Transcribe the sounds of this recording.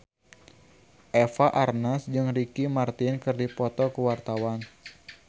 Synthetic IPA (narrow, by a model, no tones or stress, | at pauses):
ʔɛfaʔarnasd͡ʒɨŋrikimart̪ɪnkɨrdipɔt̪ɔkəwart̪awan